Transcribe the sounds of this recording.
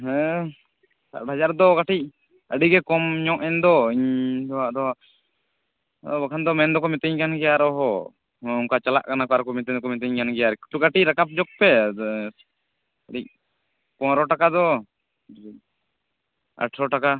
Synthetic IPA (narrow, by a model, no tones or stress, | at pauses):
ɦɛ̃ | sa̰ʈɦad͡ʒaɾd̪ɔɡaʈic̚ | əɖiɡɛkɔmɲɔ̃ʔɛnd̪ɔiɲdɔaʔd̪ɔ | bakʰand̪ɔmɛnd̪ɔkɔmɛt̪ɛɲkanɡɛjaɾɔɦɔ | uŋkat͡ʃala̰ʔkanakɔaɾɔkɔmɛt̪ɛɲkɔmɛt̪̬ɛɲkanɡɛjaɾki̥ʈuɡaʈic̚ɾakap̚d͡ʒɔk̚pɛ | əɖic̚ | pɔ̃ɾɔʈakad̪ɔ | a̰ʈʰɾɔʈaka